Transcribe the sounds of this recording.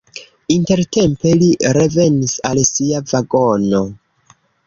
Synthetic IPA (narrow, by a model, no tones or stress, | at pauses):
inte̞ɾte̞mpe̞liɾe̞ve̞nisalsiavaɡo̞no̞